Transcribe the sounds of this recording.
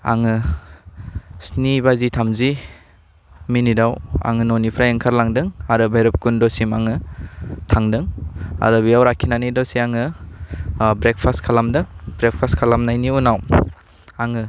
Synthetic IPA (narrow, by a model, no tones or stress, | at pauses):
a̰ŋɯ | snibazitʰamzi | minidawa̰ŋɯnonipʰɾajeŋkʰaɾlaŋdɯŋaɾɯbʱajɾɯp̚kundɔsimaŋɯtʰaŋdɯŋa̰dɔbiawɾakʰinanidɔwsiaŋɯ | bɾek̚pʰaskʰalamdɯŋbɾek̚pʰaskʰalamnajniunaw | aŋɯ